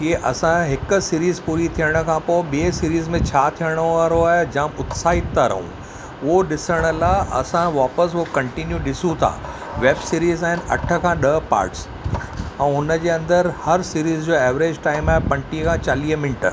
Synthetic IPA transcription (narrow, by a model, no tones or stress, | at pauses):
ɦieʔɐsãɦɪk̆siːɾiːzpuːɾit̪ʰiəɽ̃ə̆kʰãːpoɪɓeːsiːɾiːzmẽt͡ɕʰaːt̪ʰijəɽ̃oaːɾoaːɦd͡ʑãːmʊt̪saːɪt̪ːaɾɐ̰ɦṵ̃ | ʊɦoɗɪsəɽ̃ə̆laːʔɐ̰sãʋaːpəs̬okɐ̃ɳʈinjũɗɪsũt̪ʰa̰ː | ʋeːbsiːɾiːzaːɦɪnɪ̆ɐ̰ʈʰə̆kʰãːɗɐpa̰ːɾʈs | ɛ̃ːʊnəd͡ʑeːɐ̃nd̪əɾhɐɾsiːɾiːzd͡ʑoːɛːʋɾeːd͡ʑʈaːɪmaːɦepɐ̃ɳʈikʰãt͡ɕaːliːɦəmɪnʈə̰